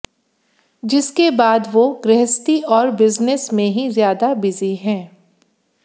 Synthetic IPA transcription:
d͡ʒɪskebaːd̪ʋoɡɾɛɦəst̪iɔːɾbɪznəsmẽɦizjaːd̪abɪziɦɛ̃ː

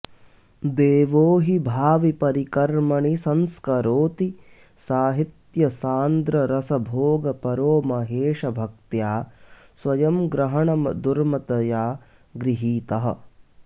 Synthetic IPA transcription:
d̪eːʋoːɦibʱaːʋipɐɾikɐɾmɐɳisɐnskɐɾoːt̪i | saːɦit̪jɐsaːnd̪ɾɐɾɐsɐbʱoːɡɐpɐɾoːmɐɦeːʃɐbʱɐk̚t̪jaː | sʋɐjɐmɡɾɐɦɐɳɐmɐd̪uɾmɐt̪ɐjaː | ɡɾiɦiːt̪ɐɦɐ̆

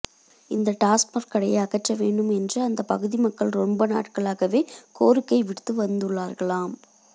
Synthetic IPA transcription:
ɪnd̪ɐʈaːsmɐɾkɐɽɐjɐɐɣɐʈrɐʋeːɳɖɯmɛndrɯɐnd̪ɐpɐɣɯðimɐkːɐɭɾɔmbɐna̰ːʈkɐɭaːɣɐʋeːkoːɾɯkːɐɪʋɪɽt̪ːɯʋɐnd̪ɯɭːaːɾɣɐɭaːm

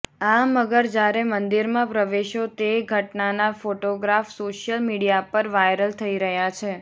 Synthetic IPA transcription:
aməɡəɾd͡ʒjaɾemənd̪iɾmãpɾəʋeʃot̪eɡʱəʈnanafoʈoɡɾafsoʃjəlmiɽijapəɾʋajɾəlt̪ʰəiɾəɦjat͡ʃʰe

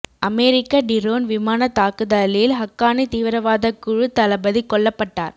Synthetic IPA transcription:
ʔɐmɛːɾɪkːɐɖɪɾoːnʋɪmaːnɐt̪aːkɯðaːlɪjɪlɦɐkːaːnit̪iːʋɪɾɐʋaːðɐkːɯɻɯt̪ːɐlɐbɐðikːɔɭːɐpːɐʈːa̰ːɾ

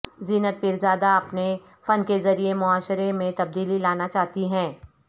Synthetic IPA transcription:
ziːnət̪̚pɪɾzaːd̪aɐpne | fɐnkezɐɾiemʊaːʃɾemẽt̪ɐb̚d̪iːlilaːnat͡ʃaːɦt̪iɦɛ̃ː

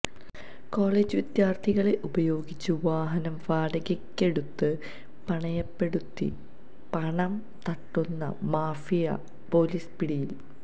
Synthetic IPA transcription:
ko̞ːɭeːd͡ʑɨʋid̪jaːrt̪ʰiɣɐɭeʔubɐjo̞ːɡit͡ɕːuʋaːɦɐnɐmʋaːɽɐɣɐkʲːe̞ɽut̪ːɨ | pɐɳɐjɐpːe̞ɽut̪ːḭ | pɐɳɐm | t̪ɐʈːunːɐ̰maːfijɐ̰ | po̞ːliːspiɽijil

